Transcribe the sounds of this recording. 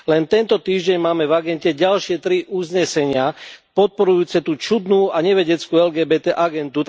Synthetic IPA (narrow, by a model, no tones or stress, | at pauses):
lɛnt̪ɛnt̪ɔt̪iːʒɟɛɲmaːmɛvaɡɛncɛɟalʃɪɛt̪ɾiʔuzɲɛsɛɲɪapɔt̪̚pɔɾujuːt͡sɛt̪uːt͡ʃud̪nuːaɲɛʋɛɟɛt͡skuːɛlɡɛːbɛːt̪ɛːʔaɡɛnd̪u